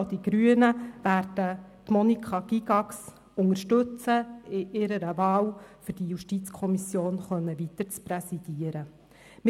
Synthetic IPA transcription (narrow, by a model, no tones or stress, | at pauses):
od̥iɡ̥ɾyənəʋæːɾd̥ətmɔnikʰχɑɡ̥iɡɑks | ʊŋəɾʃtɵt͡səɪʔɪɾəɾəvɑːwfʏɾd̥ijuʃtit͡skʰɔmisjoːnχœnːəʋitəɾt͡spɾɛsid̥iəɾə | mɪ